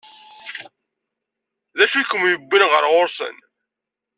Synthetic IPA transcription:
ðæʃukəmjəbːinʁə̰ɾʁʊɾsə̰n

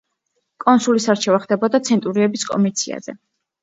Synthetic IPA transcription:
kʼɔnsulisaɾt͡ʃʰɛvaχd̪ɛbɔd̪at̪sʰɛnt̪ʼuɾiɛbiskʼɔ̰mit̪sʰia̰zɛ̰

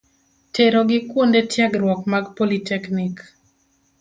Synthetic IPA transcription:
tʰeɾoɡɪkwondetjaɡɾwɔkmaɡpolitɛknik

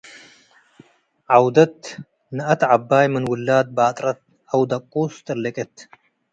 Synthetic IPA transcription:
ʕawd̪ɐt̪ | nɨɐt̪ʕabːaːjmɨnwʊlːaːd̪̚baːt̪ʼɾɐt̪̚ | ɐwd̪ɐqʼːuːst̪ɨɾlɐkʼet̪

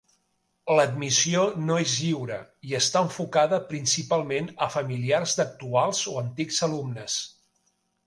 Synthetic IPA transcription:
ləd̪misionoezʎiwɾə̰iəst̪aəɱfukaðəpɾinsipalˠmenəfəmiliarzd̪ək̚t̪ualˠzoənt̪ikzəlumnəs

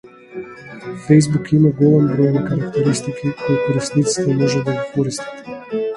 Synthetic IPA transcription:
fɛjzbukimaɡɔlˠɛmbɾɔjɛnikaɾakt̪ɛɾist̪ikʰikɔjkɔɾɛsnit̪si̥t̪ɛmɔʒɛd̪aɡikɔɾist̪ḁt̪

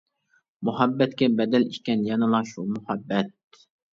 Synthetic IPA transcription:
muɦɑbːɛt̪kʲɛbɛd̪ɛlikʲːɛnjɑnɨlˠɑʃumuhɑbːɛt̪̚

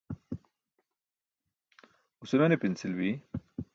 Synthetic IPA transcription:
usemenepinsilbi

